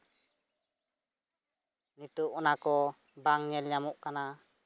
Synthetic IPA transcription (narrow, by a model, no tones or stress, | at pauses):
nit̪uʔunakɔ | baŋɲɛlɲamuʔkana